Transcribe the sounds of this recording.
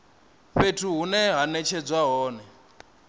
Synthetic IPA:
ɸetʰuɦunɛɦanɛt͡ʃʰɛd͡zwaɦɔːnɛ

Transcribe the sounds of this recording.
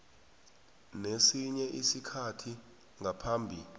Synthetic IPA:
nesiɲɛʔisikʰatʰi | ŋʱapʰaːmbʱil

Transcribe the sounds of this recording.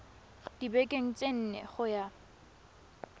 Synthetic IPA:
d̥ibekʼeŋ̩t͡sʼen̩nḛχʊja

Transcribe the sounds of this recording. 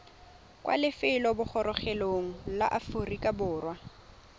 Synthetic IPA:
kʼwʔa̰lɪfɪlɔbʊχɔɾɔχɛloŋ̩la̰ʔaforikʼabʊːrwa

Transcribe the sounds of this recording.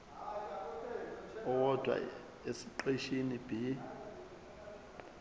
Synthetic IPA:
ɔwɔd̥ʱwa̰ | esiǃeʃinib̥ʱi

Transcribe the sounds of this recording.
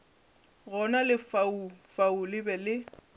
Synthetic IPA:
ɣɔnalɪfaufaulɪbɛlɪ

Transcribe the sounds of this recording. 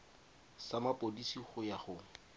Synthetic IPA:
samapʼodisiχʊjaχʊ

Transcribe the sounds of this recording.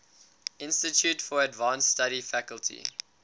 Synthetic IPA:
ʔɪ̃nstətʰjuːtfɔɹədvãːnstaɾifækəlˠtʰḭ

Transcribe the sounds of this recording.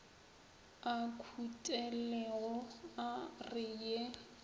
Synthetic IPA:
akʰutʼɛlɛɣɔarɪje

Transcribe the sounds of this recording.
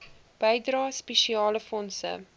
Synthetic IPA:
b̥əjdrɑːspɛʃiɑːləfɔnsə̰

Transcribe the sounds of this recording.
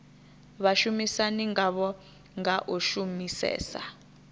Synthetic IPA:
βaʃumisaniŋɡaβɔ | ŋɡaʔuʃumisɛ̰ːsa̰

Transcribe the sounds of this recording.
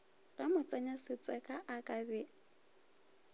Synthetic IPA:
ramʊt͡sʼaɲasɪt͡sʼɛkʼaʔakʼabɛ

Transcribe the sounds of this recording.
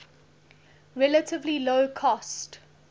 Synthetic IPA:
ɹɛlətʰɪvliloʊkʰɔst

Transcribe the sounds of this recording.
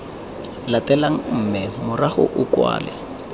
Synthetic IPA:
latɛlaŋ̩m̩mɛmʊraχʊ̰ʔʊkwa̰ːlɛ̰

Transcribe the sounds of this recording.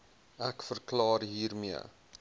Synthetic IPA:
ʔækfərklɑːrɦiːrmiə̰

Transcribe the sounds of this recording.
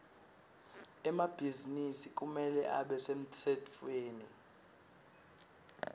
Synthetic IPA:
ɛmab̥ʱizinisik̬umɛlɛ̰ʔaɓɛsem̩tʰɛtfʼweːni

